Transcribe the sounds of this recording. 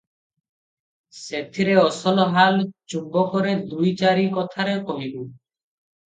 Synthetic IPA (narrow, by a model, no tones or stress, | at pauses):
set̪ʰiɾeɔsɔlɔɦalt͡ʃubɔkɔɾed̪ujt͡ʃaɾikɔt̪ʰaɾekɔɦibu